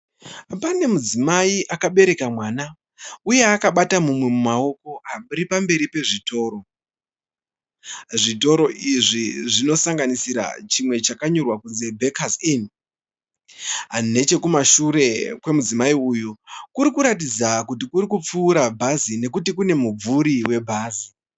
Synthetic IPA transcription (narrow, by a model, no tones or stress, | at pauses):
pane̞mud͡zimaiʔakaɓe̞ɾe̞kamwaːna | uje̞akaɓatamumwe̞mumao̞ko̞ʔaɓuɾipambe̞ɾipe̞ʐito̞ːɾo̞ | ʐito̞ɾo̞ʔiʐiʐino̞saŋɡanisiɾa̰t͡ʃimwe̞t͡ʃakaɲo̞rwakunze̞bʱekʰazin | ɦane̞t͡ʃe̞kumaʃuɾe̞kwe̞mud͡zimaiujukuɾikuɾatid͡zakutikuɾikup͡fuːɾabʱazine̞kutikune̞mub͡vuɾiwe̞bʱaːzi